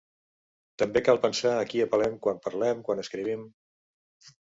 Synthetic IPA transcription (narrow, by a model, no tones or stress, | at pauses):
t̪əmbekalˠpənsaəkiəpəlɛmkwampəɾlɛmkwanəskɾiβ̞im